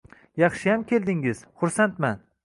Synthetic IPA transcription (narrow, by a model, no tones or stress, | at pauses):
jɑχʃɪjamkʲʰe̞ld̪ɪŋɪz̥χʊɾsant̪man